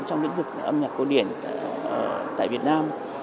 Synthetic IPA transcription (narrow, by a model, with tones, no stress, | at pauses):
t͡ɕɔ˧wŋ͡mlḭ˧˥ŋvɨ˨˩k̚ʔə˧mɲaː˨˩ko˧wɗi˧˩ənː˧˩t̪a̰ː˧˨vi˨˩ət̚naː˧m